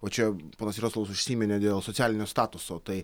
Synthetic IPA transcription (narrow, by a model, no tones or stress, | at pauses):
oːt͡ʃʲɛpoːnɐsɾʲoːslˠʋɐsʊʃʲsʲiːmʲɛnʲeːd̪ʲeːlˠsot̪sʲæːlʲɪnʲoːst̪ɑːt̪ʊsoːt̪ɐɪ